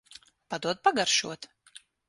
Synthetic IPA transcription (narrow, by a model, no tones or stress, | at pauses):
pad̪uɔt̪̚paɡaɾʃṵɔt̪